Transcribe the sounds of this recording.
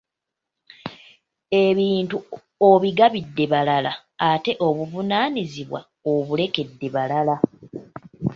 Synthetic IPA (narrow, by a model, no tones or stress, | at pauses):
e̞βiːntu | oβiɡaβidːe̞βalala | ate̞ʔo̞βuvunaːniziβwa̰ | oβule̞ke̞dːe̞βalala